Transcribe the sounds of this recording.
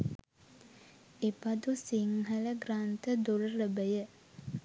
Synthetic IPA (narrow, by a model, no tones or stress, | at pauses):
epad̪usiŋɦələɡrant̪əd̪uɾəɾəbəjə